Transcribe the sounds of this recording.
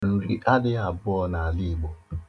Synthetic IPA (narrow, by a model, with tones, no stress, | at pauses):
n̩˨ɾi˨ʔa˦dɪ˦a˨bʊ˦ɔ˦na˨a˨li˦˨ɡ͡bo˨